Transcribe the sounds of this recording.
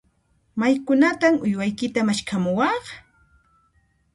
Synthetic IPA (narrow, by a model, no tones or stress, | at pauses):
majkʊnat̪amʊjwajkɪt̪amaʃkʰamʊwɑχ